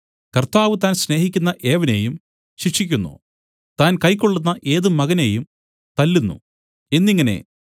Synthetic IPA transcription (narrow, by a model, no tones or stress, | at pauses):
kɐrt̪aːʋɨt̪aːnsne̞ːɦikʲːunːɐʔe̞ːʋɐne̞jum | ɕikʂikʲːunːṵ | t̪aːnkɐjkːoɭːunːɐʔe̞ːðɨmɐɣɐne̞ːjum | t̪ɐlːunːṵ | enːiŋːɐne̞̰